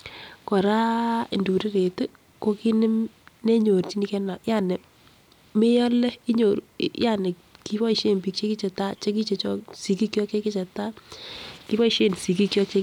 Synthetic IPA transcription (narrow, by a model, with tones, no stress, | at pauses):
kɔ˨ɾa˦ɪ˨ndu˨ɾɪ˦ɾe˨te˦ | ko˦ki˦nɪ˦mne˦ɲo˨ɾt͡ʃi˦ni˦kɛ˦na˨ja˦˨nɛ˨ | mɪ˦jɔ˦lɛ˦i˦ɲo˨ɾu˨ja˦˨nɪ˨ | ki˦wɔ˦i˨ʃe˦˨mpi˨k̚t͡ʃe˦ki˦t͡ʃe˨ta˦t͡ʃe˦k̬i˦t͡ʃe˨t͡ʃɔ˦si˨ki˦kjɔ˦ke˦ki˦t͡ʃɛ˨ta˦ | ki˦wɔ˦i˦ʃe˦˨nsi˨ki˦kjɔ˦ke˦